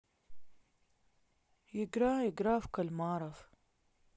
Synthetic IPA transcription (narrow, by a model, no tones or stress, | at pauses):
jɪɡɾaːjɪɡɾaːfkalmɑːɾˤɑf